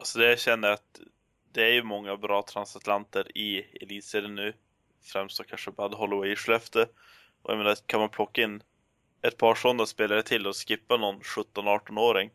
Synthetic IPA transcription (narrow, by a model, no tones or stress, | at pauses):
alsɔd̪ɛjaɕɛnːəɾat̪ | d̪ɛæɾjɵmɔŋːabɾɑːt̪ʰɾansat̪lant̪əɾɪɛ̰liːt̪seːd̪ənʉ̟ː | fɾɛmst̪ɔkʰanʂəbad̪ɦɔlɪwɛjʂlœft̪ə | ʔɔ̰j̰meːnakʰanmanpʰlɔkːaɪnː | ɛt̪̚pʰɑːʂɔnd̪aspeːlaɾət̪ʰɪld̪ɛɔskɪpːanɔnɧɵt̪ːɔnɑːʈɔnoːɾɪŋ